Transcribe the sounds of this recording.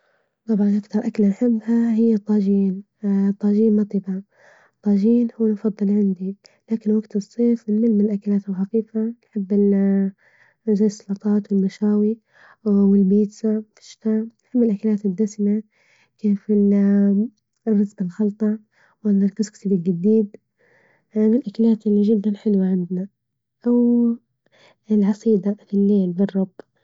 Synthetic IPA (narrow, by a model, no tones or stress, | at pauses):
t̪ˤɑbʕɑnʔakt̪ɑɾˤʔakalnħɪbːhahɪjːat̪ˤːɑːd͡ʒiːn | t̪ˤːɑːʒiːnmɑt̪ˤiba | t̪ˤːɑːʒiːnhuːnfɑd̪ˤːɨlʕɪnd̪ilaːkɪnwaɡt̪ɨsˤːeːfmɪnmɪlmɪnlʔakalaːt̪ɪlxafiːfanħɪbːɪl | zaːɪsˤːɑlɑt̪ˤɑːt̪wɪlmaʃaːwi | wɪlbiːt̪safɪ̥ʃɪ̥t̪aːnħɪbːɪlʔakalaːt̪ɪd̪ːasɪma | keːfɪl | rːɑsbɪlxɑlt̪ˤɑ | wɪlɾkɪskt̪iːbɪlɡad̪iːd̪ | mɪnlʔakalaːt̪ʔɪlːiʒɪd̪ːanħɪlwaʕɪnd̪na | ʔaw | ɪlʕɑsˤiːd̪alɪlːeːlbɪrˤːɑb̥